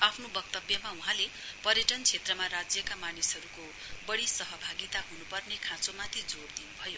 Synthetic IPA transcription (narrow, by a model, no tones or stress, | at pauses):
apʰnobʌk̚t̪ʌbjʌmauɦãle | pʌɾjʌʈʌnt͡sʰet̪rʌmaɾad͡zjʌkamanisɦʌɾuko | bʌɽisʌɦʌbʱaɡit̪aɦunupʌrnekʰãt͡somat̪ʰid͡zoɽd̪inubʱʌjo